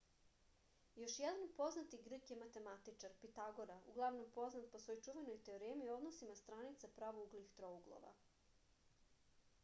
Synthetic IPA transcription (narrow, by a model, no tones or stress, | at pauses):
jo̞ʃjɛd̪anpo̞znat̪iɡr̩kje̞mat̪e̞mat̪it͡ʃaɾpit̪aɡo̞ɾaṵɡlˠaʋno̞mpo̞znat̪̚po̞sʋo̞jt͡ʂuʋenojt̪e̞oɾemio̞d̪nosimast̪ɾanit̪sapɾaʋouɡlixt̪ɾouɡlˠo̰ʋa̰